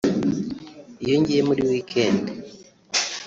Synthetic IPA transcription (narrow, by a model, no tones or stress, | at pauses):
ijoɲɟijemuɾiwiːkʰeːnde